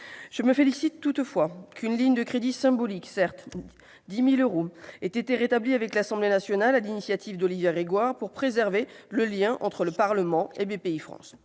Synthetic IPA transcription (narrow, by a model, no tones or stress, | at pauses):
ʒ̥əməfelisit̪ːut̪fwakynliɲd̪əkχed̪isɛ̃bɔliksɛʁt̪ | d̪imiløʁoet̪et̪eʁet̪abliavɛklasɑ̃blenasjɔnalalinisjat̪ʰivd̪ɔlivjɛʁeɡwaʁpuʁpχezɛʁveləljɛ̃ʔɑ̰̃t̪χələpaʁləmɑ̃ebepeifχɑ̰̃s